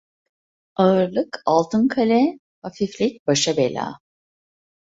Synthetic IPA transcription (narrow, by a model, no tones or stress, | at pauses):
aɯɾlˠɯkalˠt̪ʰɯnkʰalʲɛ | hafiflʲic̚baʃabelʲa̰ː